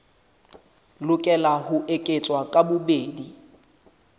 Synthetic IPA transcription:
lʊkʼɛlahʊʔekʼet͡sʼwakʼabʊbeːdi

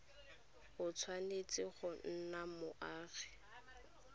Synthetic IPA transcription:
ɣʊt͡sʰwanet͡sɪχɔn̩namʊʔaːɣɛ̥

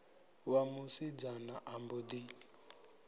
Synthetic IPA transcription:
wamusid͡ʒanaʔambud̪i

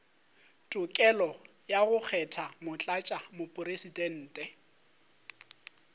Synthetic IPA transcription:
tʼʊkʼɛlɔ | jaɣʊk͡xʰɛtʰamʊt͡ɬʼat͡ʃʼamʊpʼʊresidɛn̩ːtʼɛ

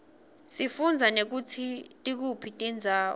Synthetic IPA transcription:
sifund͡zʱanek̬ut͡sʰitʼik̬upʰitʼind͡zʱaː

